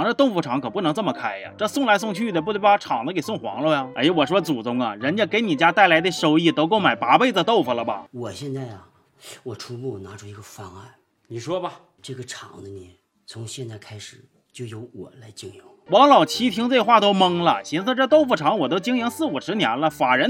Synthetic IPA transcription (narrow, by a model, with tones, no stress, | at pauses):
ŋʈ͡ʂə˧t̪o˥˧ʊfu˧˩ʈ͡ʂʰɑ˨˧˥ŋkʰpu˥˩nɤ˧˥ŋt͡sə˥˩mə˩kʰa˥ɪjɐ̰˩ʈ͡ʂɤ˥˧sʊ˥˧ŋla˧˥ɪs̬ʊ˥˧ŋt͡ɕʰy˥˩d̪ə˩p̬u˥˧˥ʈ͡ʂʰɑ˨˩ŋd̪ə˦ke˨˩ɪsʊ˥˩ŋxwɑ̰˧˥ŋlə˥˧jɐ˨˧a̰˧˥˧wɔ˨˩ʂwɔ˥t͡su˨˩t͡sʊ˥ŋɐ˧ɻə˧˥nt͡ɕjɛ˥˩ke˧˥ɪni˨˩t͡ɕja˥t̪a˥˩ɪla˧˥ɪd̪ə˧ʂo˧˩ʊi˥˩t̪o˧˥ʊk̬o˥˩ʊma˨˩ɪpa˧˥pe˥˧ɪ˧ə˧t̪o˥˩ʊfu˨˩lə˩bɐ̰˨˩wɔ˨˩ɕjɛ˥˧nt͡sa˥˩ɪɐ˩ | wɔ˨˩ʈ͡ʂʰu˥pu˥˩na˧˥ʈ͡ʂʰu˥i˧˥ɡə˧fɑ˥ŋa˥˩n | ni˨˩ʂwɔ˥bɐ˨ | ʈ͡ʂɤ˥˩ɡə˩ʈ͡ʂʰɑ˨˩ŋd̪ə˦njɛ˧˥˦ | t͡sʰʊ˧˥ŋɕjɛ˥˧nt͡sa˥˩ɪkʰa˥ɪʂɻ̩˨˩˦ | t͡ɕjo˥˩ʊjo˧˥ʊwɔ̰˨˩la˧˥ɪt͡ɕi˥ŋjʊ˧˥ŋwɑ˧˥ŋlɑ˨˩ʊt͡ɕʰi˥t̪ʰi˥ŋt͡se˥˧xwa˥˩t̪o˥ʊmɤ˥ŋlə̰˨ɕi˧˥nt͡sʈ͡ʂɤ˥˧t̪o˥˧ʊfu˧˩ʈ͡ʂʰɑ˧˥ŋwɔ˨˩t̪o˥ʊt͡ɕi˥ŋji˧˥ŋsɹ̩˥˩u˨˩ʂɻ̩˧˥njɛ˧˥nlə˧fa˨˩ɻə˧˥n